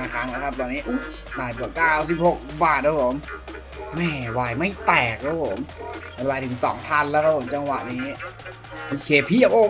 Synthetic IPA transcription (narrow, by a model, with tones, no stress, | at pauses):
aː˧˩kʰaː˦˥ŋlɛː˦˥wkʰa˦˥p̚t̪ɔː˧nːiː˦˥ʔu˧˥˩ | t̪aː˨˩jku˨˩ət̚kaː˥˩wsi˨˩p̚ho˨˩k̚baː˨˩t̪̚ːʰaː˦˥pʰo˨˩˦m | mɛː˧˩waː˨˩jma˥˩jt̪ɛː˨˩k̚kʰa˦˧˥pʰo˩˦m | a˧˩˧waː˨˩t̪ʰɯ˨˩˦ŋsɔ̰ː˩˦ŋpʰa˧˨nlɛː˦˥wkʰa˧˥pʰo˨˩˦mt͡ɕa˧ŋwa̰˨˩niː˦˥ | ʔoː˧˩kʰeː˧˩pʰi˧˩ɐpʔoː˧˨˦